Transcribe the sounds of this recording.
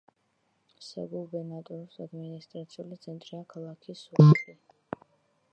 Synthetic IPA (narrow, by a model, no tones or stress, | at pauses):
sɛ̰ɡulˠbɛɾnat̪ʼɔɾusad̪minist̪ʼɾat̪sʰiulit̪sʰɛnt̪ʼɾiakʰalˠakʰisuai